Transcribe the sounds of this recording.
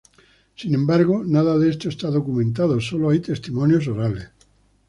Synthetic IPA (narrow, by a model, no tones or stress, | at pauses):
sinẽ̞mbaɾɣonaðaðest̪oest̪aðokumẽnt̪aðosoloajt̪e̞st̪imõnjosoɾales